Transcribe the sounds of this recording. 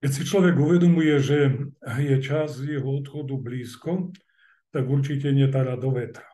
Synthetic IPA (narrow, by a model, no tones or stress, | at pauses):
kɛtsit͡ʃlɔʋɛɡuʋɛd̪ɔmujɛʒɛjɛt͡ʃazzjɛɦɔɔt̪xɔd̪ubliːskɔ | t̪aɡuɾt͡ʃicɛɲɛt̪aɾaːd̪ɔʋɛt̪ɾḁ